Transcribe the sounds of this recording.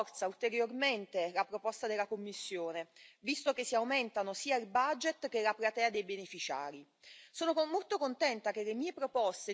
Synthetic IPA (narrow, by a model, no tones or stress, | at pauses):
rt̪sault̪eɾjorment̪elapɾopɔst̪ad̪elːakomːisːjoːnevist̪ok̟esːiawment̪anosiːailbad͡ʒet̪k̟elapɾat̪ɛːad̪ejbenefit͡ʃa̰ːɾi | soːnomolt̪okont̪ɛnt̪ak̟elemiːepɾopɔst̪e